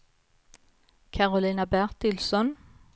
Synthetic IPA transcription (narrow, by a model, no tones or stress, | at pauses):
kʰɑʁʊliːnɑbæʁt̪ɪlsɔn